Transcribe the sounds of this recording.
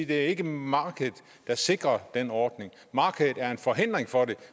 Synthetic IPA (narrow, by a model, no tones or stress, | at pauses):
d̥e̝æɐe̝ɡ̥əmɑ̈ːɡ̥əð̩ˠ | d̥ɑ̈se̝ɡ̥ʁɐd̥enɒːd̥ne̝ŋ | mɑ̈ːɡ̥ʰəð̩ˠæɐe̝nfɒ̽ɦe̝n̰d̥ʁeŋfɒ̽ɾe̝